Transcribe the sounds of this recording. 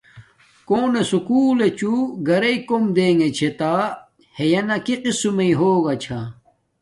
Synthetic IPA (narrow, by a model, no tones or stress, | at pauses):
koːnesukuːlet͡ɕuɡɐɾeikomd̪eːŋet͡ɕʰet̪a | hejɐnɐkiqisumɐiɦoːɡɐt͡ɕʰa